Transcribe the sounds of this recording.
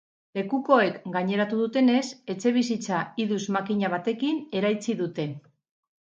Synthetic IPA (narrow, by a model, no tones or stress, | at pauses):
le̞kuko̞e̞kɡaɲe̞ɾat̪uðut̪e̞ne̞se̞t͡ʃe̞β̞is̬it͡saiðuzmakiɲaβ̞at̪e̞kine̞ɾajt͡siðut̪e̞